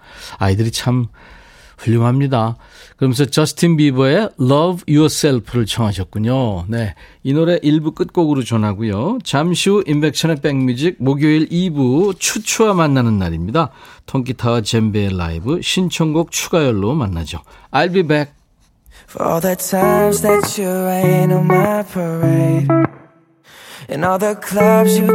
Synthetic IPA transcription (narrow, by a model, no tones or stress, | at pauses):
aidɯɾit͡ɕʰam | ɸuʎːoŋɦamɲida | kɯɾʌmensʰʌt͡ɕʌsʰɯ̥tʰinbibʌe̞lʌbjuʌs͈eɭpʰɯɾɯɭt͡ɕʰʌŋɦaɕʰʌt̚k͈uɲone̞inoɾe̞ʔiɭbuk͈ɯt̚k͈oɡɯɾot͡ɕʌnɦaɡujot͡ɕamɕʰuʔinbe̞k̚t͡ɕʰʌnep͈eŋmjud͡ʑik̚moɡjoiɭibut͡ɕʰut͡ɕʰuamanːanɯnːaɾimɲidatʰoŋkitʰat͡ɕe̞mbelːa̰ibɯɕʰint͡ɕʰʌŋɡok̚t͡ɕʰuɡajʌɭːomanːa̰d͡ʑoajlbibek̚ | fə̰ɔ̰lˠðɨtʰãɪ̃mzðɨtt͡ʃəenənmaɪpʰə˞eɪɾ | ɨ̃nʌðə˞kʰl̥ʌbzjɨ